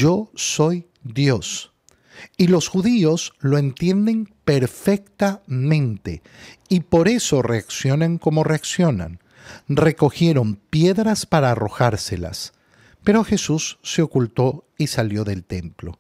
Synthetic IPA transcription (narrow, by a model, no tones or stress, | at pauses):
o̞so̞j | d̪jo̞s | ilo̞sxuðio̞zlo̞e̞nt̪je̞nd̪e̞ŋpe̞ɾfek̚t̪amẽ̞nt̪e | ipo̞ɾe̞so̞re̞aksjo̞naŋko̞mo̞re̞aksjo̞na̰n | re̞ko̞xje̞ɾo̞mpje̞ðɾaspaɾaːro̞̰xaɾsela̰s | pe̞ɾo̞xe̞susːe̞o̞kult̪o̞isaljo̞ðe̞lt̪e̞mplo̞̰